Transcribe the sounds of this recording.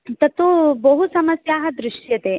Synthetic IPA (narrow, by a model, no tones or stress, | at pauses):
t̪ɐt̪ubɐɦusɐmɐsjaːɦɐd̪ɾɪʂjɐt̪eː